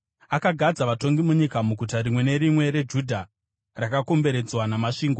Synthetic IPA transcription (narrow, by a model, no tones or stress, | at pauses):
akaɡʱad͡zaʋato̞ŋɡimuɲikamuɡʱutaɾimwe̞ne̞ɾimwe̞ɾe̞d͡ʒudʱa | rakako̞mbe̞ɾe̞d͡zwanamaʂiːŋɡo